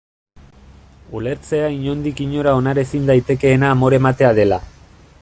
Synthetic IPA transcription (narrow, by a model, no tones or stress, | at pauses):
ule̞ɾt͡se̞aiɲo̞nd̪ikiɲo̞ɾao̞naɾe̞sind̪ajt̪e̞ke̞ːnaːmo̞ɾe̞mat̪e̞aðe̞la